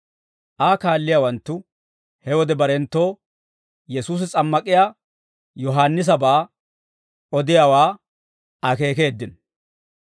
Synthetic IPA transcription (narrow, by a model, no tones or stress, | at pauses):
ʔaːkaːlːɪjawɐnt̪ːʊ | hɛwɔd̪ɛbɐɾɛnt̪ːo̞ː | jɛsuːs̬ɪt͡sʼɐmːɐkʼɪjaː | jɔɦaːnːɪs̬ɐbaː | ʔɔd̪ɪjawaː | ɐke̞ːke̞ːd̪ːɪn